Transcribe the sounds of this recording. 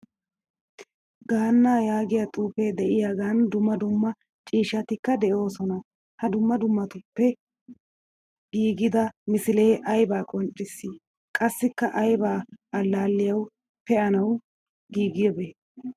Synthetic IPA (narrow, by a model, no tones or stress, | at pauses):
ɡaːnːaːjaːɡɪjɐt̪ʼuːpe̞ːd̪ɛʔɪjaɡaːnd̪ʊmːɐd̪ʊmːɐ | t͡ʃʼiːʃɐt̪ɪkːɐd̪ɛjo̞ːsɔnɐ | hɐd̪ʊmːɐd̪ʊmːɐt̪ʊpːɛ | ɡiːɡɪd̪ɐmɪsɪle̞ːʔɐjbaːkʼɔnt͡ʃʼːɪsːi | kʼɐsːɪkːɐʔɐjbaːʔɐlːaːlːɪjɐw | pɛʔɐnɐw | ɡiːɡɪjɔbeː